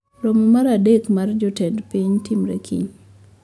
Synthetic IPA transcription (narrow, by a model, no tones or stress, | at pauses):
lomɔmaɾadekmard͡ʒɔtɛdpiɲtimɾḛkʰḭɲ